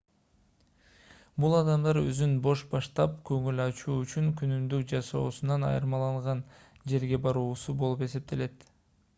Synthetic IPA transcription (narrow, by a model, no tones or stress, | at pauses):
bulˠɑd̪ɑmd̪ɑɾø̰zynbo̞ʃbɑʃt̪ɑp̚køŋylɑt͡ʃuːyt͡ʃyŋkynymd̪ykd͡ʒɑso̞̰ːsunɑnɑ̰jɯ̰ɾmɑlˠɑɴʁɑn | d͡ʒe̞ɾɡe̞bɑɾuːsubolˠupe̞se̞p̚t̪ʰe̞le̞t̪